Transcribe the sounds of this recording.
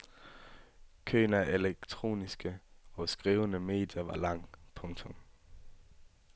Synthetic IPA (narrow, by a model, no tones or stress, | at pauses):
kʰø̰ːnæʔeleɡ̥̚t͡sʰʁo̝̰ːnisɡ̥əɒ̽sɡ̥ʁiːʊnəme̝̰ːd̥jɐʋɑ̈lɑ̈ŋ̰pʰɔ̽ŋt͡sʰɔ̽m